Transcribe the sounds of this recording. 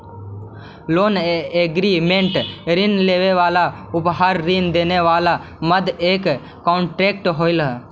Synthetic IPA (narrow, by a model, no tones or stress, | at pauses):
loːneɡɾimẽɳʈɾinleːʋeʋaːla | ʊpɦaːɾːind̪eːneʋaːla | məd̪eːkː | ɔ̃ːɳʈɾeːkʈɦoːɪlɦ